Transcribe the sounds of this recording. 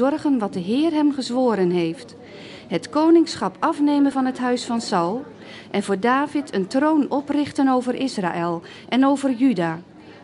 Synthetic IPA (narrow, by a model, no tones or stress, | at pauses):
ɔrɣənʋɑt̚dəɦɪːrɦɛmχəzʋoːɾənɦejft | hətkownɪŋsχɑpɑfneːmənvɑnɦətɦœɥsfɑnsɑwlˠ | ʔɛnvʊːɹdaːvɪtʰəntrownɔprɪχtənowvərʔɪsra̰ːʔɪlˠ | ʔɛnowvərjydaː